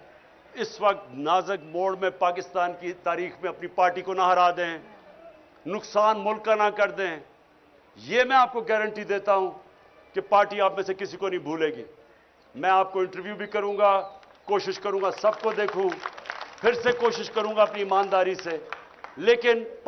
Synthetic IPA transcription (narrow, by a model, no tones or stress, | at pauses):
ɪsʋɐk̚t̪naːzək̚moːɖmẽpaːkɪst̪aːnkit̪aːɾiːxmẽɐpnipaːɾʈikonaɦɐɾaːd̪ẽɦɛ̃ː | nʊksaːnmʊlkːanakɐɾd̪ẽɦɛ̃ː | jeːmɛ̃aːp̚koɡɛːɾəɳʈid̪eːt̪aɦũː | kepaːɾʈiaːpmẽsekɪsikonɐɦĩbʱuːleːɡiː | mɛ̃aːp̚koɪ̃ɳʈəɾʋjuːbʱikɐɾũːɡaː | koːʃɪʃkɐɾũːŋɡasɐb̚kod̪eːkʰũːpʰɪɾsekoːʃɪʃkɐɾũːɡaɐpniɪmaːnd̪aːɾise | leːkɪn